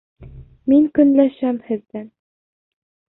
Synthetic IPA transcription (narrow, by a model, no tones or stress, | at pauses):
miŋkɵ̆nlæʃæmhɘ̆ðd̪æn